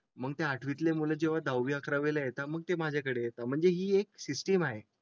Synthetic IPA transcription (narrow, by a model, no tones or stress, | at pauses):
məɡ̚t̪eaʈʰʋit̪lemuləd͡ʑeʋ̤ad̪awʋiakɾaʋelajet̪aməɡ̚t̪emad͡ʑʱakəɽejet̪am̤əɳd͡zeɦiːeksisʈemaɦe